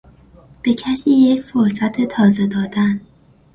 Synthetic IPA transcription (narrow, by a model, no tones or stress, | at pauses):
b̥e̞cʰæsiːje̞cʰfo̞ɾsæt̪ʰet̪ʰɒːze̞d̪ɒːd̪æn